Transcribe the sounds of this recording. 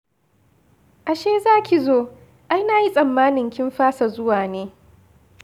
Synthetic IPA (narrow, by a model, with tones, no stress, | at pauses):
ʔa˨ʃeː˦zaː˦kʲʰi˨zoː˦ | ʔa˦jnaː˨ji˦sʼɐ˨mːaː˦nɪ˨ŋkʲɪ˦mɸaː˦sa˨zʊ˦waː˨neː˦